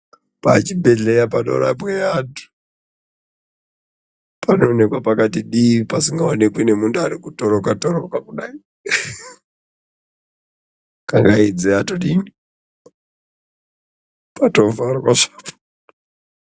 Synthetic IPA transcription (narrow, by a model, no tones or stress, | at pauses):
pat͡ʃibʱe̞ɮe̞japaɗo̰ɾa̰ɓweaːtu̥ | pʰanoːne̞kwapakatiɗipasiŋɡaonekwinemunduaɾikutoɾokatoɾokakuɗai | kaŋɡaid͡zeatoɗini | patovaɾkaʂapo̥